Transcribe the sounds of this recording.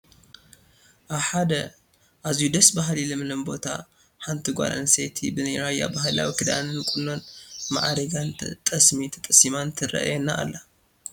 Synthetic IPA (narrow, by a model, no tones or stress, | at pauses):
ʔaβħad̪ɐ | ʔazjud̪ɐsbaɦlilɨmɨlɐmbo̞t̪ʰa̰ | ħant̪ʰiɡʷa̰lɐ̰nsejt̪ʰḭbɨnɨɾaja̰baɦla̰wikʰɨd̪a̰nɨnkʼunːo̞nma̰ʕaɾɐɡant̪ʼɐsmit̪ʰɐ̥t̪ʼɐsimant̪ʰɨɾɐ̰ʔjɛnːa̰ʔːlːɐ